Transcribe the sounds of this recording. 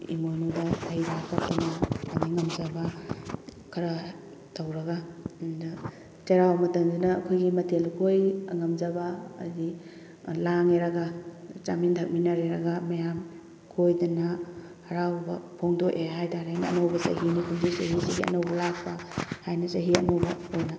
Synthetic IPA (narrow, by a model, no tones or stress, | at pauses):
ḭmonodɐɐjɾak̚pʰato̰nɐamiŋɐmzɐba | kʰɐɾɐ | tawɾɐɡandɐ | t͡ʃɐɾawbmɐtɐŋdinɐːkʰojɡimɐtʰelkʰojɐ̰ŋɐmzɐba̰ːdi | laŋeɾɐɡat͡ʃa̰mintʰɐk̚minaɾeɾɐɡamɐjam | kʰojdɐnɐ | hɐɾawbɐ̰pʰoŋdoʔeɦajtaɾenɐɐ̰nowbɐsɐ̰ɦinikʰumŋzisɐ̰ɦisiɡiɐ̰nɐwbɐlak̚pʰɐhajnɐsɐɦiɐ̰nowbɐojnɐ